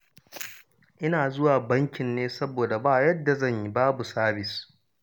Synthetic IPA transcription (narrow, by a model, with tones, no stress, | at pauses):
ʔɪ˦naː˨zʊ˦waː˨bɐ˦ŋkʲɪ˨nːeː˦sɐ˦boː˨da˨baː˦jɐ˦dːa˨zɐ˦˨ɲji˦baː˦bu˨saː˦bɪ˨s